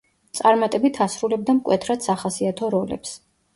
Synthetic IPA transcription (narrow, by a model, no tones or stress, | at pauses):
t̪sʼaɾmat̪ʼɛbit̪ʰasɾulɛb̚d̪amkʼwɛt̪ʰɾad̪̥saχasiat̪ʰɔɾɔlɛ̰ps